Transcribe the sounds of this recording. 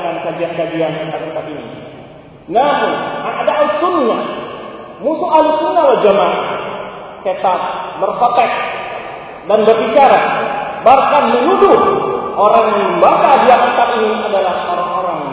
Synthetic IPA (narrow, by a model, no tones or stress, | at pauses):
kankad͡ʒiankad͡ʒiankət̪aŋket̪at̪inḭ | namʊnkaŋadaːlisunːa | musualisunːalad͡ʒamaʔ | kət̪at̪̚bərfot̪ɛk̚ | danbərbit͡ʃaɾabarkanmənuduhʔoɾaŋməɲəmbakadiaŋat̪aɾiniadalahoɾaŋoɾaŋ